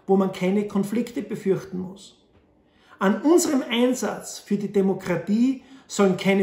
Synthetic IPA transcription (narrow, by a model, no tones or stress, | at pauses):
voːmankʰaɪnəkʰɔnflɪktəb̥əfʏɐçtn̩mʊs | ʔanʔʊnzəʁəmaɪnzat͡sfyːɐdidemokʁ̥atiːsɔlənkʰaɪnə